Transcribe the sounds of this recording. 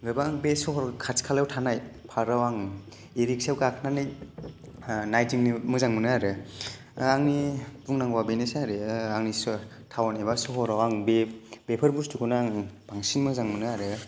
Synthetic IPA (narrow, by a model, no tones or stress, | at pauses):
ɡɯbaŋbesɔhɔɾkʰaskʰalewtʰanajpʰaɾawaŋ | iɾik̚sewkakʰnanɯj | najtiŋnimɯzaŋmɯnɯaɾɯ | aŋnibuŋnaŋwabejnesaɾɯaŋnis | tʰawanebasɔɦɔɾawaŋbebepʰɯɾbustʰukʰunaaŋb̥aŋsinmɯzaŋmɯnɯaɾɯ